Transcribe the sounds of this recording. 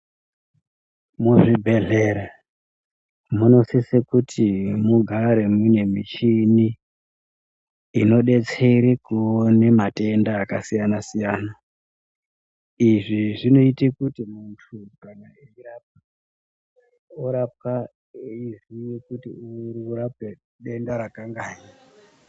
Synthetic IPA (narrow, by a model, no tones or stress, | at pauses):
muʐibʱe̞ɮe̞ɾa | muno̞sisekutʰimuɡʱaɾe̞mine̞miʃini | no̞ɗe̞t͡seɾikuonemate̞ndaːkasijanasijaːna | iʐiʐino̞itikutimuntʰukaŋaeiɾap̚a | oɾap̚a | izijekutiuuɾap̚e | ɗe̞ndaɾakaŋɡaːɲa